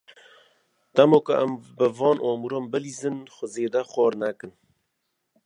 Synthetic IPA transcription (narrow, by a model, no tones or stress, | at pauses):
d̪̥æmoːkʊʔæmbɨvɑːnʔɔːmuɾoːmbɨliːzɨnxʷʊzeːd̪æxʷɔːɾnækɨn